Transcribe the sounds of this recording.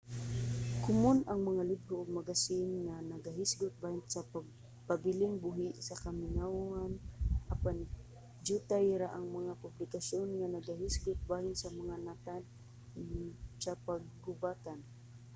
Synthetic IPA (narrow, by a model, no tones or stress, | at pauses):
kʊmʊnʔaŋmaŋalɪbɾʊʔʊɡ̚maɡasɪnŋanaɡaɦɪsɡʊt̪̚baːhɪnsaɡ | pabɪlɪŋbʊɦɪʔsakamɪnawanʔapan | d͡ʒut̪ajɾaʔaŋmaŋapʊblɪkasonŋanaɡaɦɪsɡʊt̪̚baːhɪnsamaŋanat̪ad̪ | sapaɡ̚ːʊbat̪an